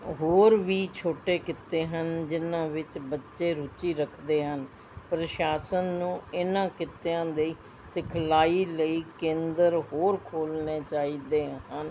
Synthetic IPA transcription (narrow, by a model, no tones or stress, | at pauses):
ɦoːɾʋiːt͡ʃʰoːʈeːkɪt̪ːeːɦənd͡ʒɪnãːʋɪt͡ʃbətːʃeːɾut͡ʃiːɾəkʰd̪eːɦən | pɾəʃaːsənːũːɪnãːkɪt̪ejãːd̪eiː | sɪkʰlaːiːləiːkẽːnd̪əɾɦoːɾkʰoːlneːt͡ʃaːiːd̪eːɦən